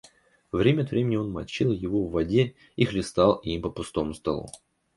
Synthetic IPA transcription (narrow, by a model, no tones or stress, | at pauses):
vɾʲemʲəɐt̪vɾʲemʲɪnʲɪo̞nmɐ̰t͡ɕilˠjɪvovːɐdʲe | ixlʲɪst̪alˠimpəpʊst̪o̞mʊst̪ɐlˠṵ